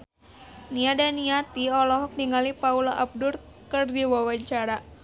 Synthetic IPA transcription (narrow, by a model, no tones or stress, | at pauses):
niadaniat̪iɔlɔɦɔk̚niŋalipaulaʔab̚dʊr | kərdiwawaɲt͡ʃaɾa